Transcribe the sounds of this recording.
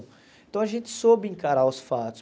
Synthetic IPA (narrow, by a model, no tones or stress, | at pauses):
ẽt̪ɐ̃w̃ɐʒẽnt̪ɪ̥sobɪẽŋkaɾaʊsfat̪ʊ̥s